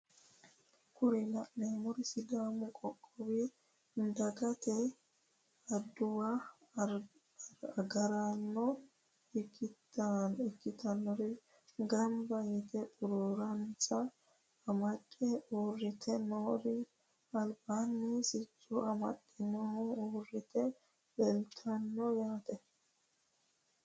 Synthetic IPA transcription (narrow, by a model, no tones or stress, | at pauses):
kʰʊɾɪlɐʔːeːmɔɾsɪɡaːmʊkʼɔkʼːɔwi | nd̪ɐɡɐt̪ɛ | ɐd̪ʊwa | ɐɡɐɾanːɔ | ɪkː | ɪkːɪt̪ɐnːɔɾɪ | ɡɐmbɐjɪt̪ɛpʼʊɾoɾɐnt͡sɐː | mɐtʼːɛoːrːɪt̪ʰɛnoːɾɪ | ɐlbanːɪsɪt͡sʼːʊʔɐmɐ̰tʼːɪnɔhɔoːrːɪt̪ɛ | bɛlt̪ʰɐnːɔjaːt̪ɛ